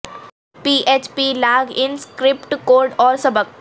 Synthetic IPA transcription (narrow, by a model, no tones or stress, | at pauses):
piːʔeːt͡ʃpilaːɡɪ̃nskɾɪpʈkoːɾɖɔːɾsɐbək̚